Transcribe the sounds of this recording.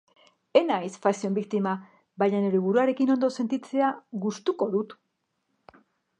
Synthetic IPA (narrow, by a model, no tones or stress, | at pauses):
e̞najsfasio̞mbikt̪ima | bajɲaneɾeβuɾuaɾe̞kino̞nd̪o̞se̞nt̪it͡se̞aɣust̪uko̞ðut̪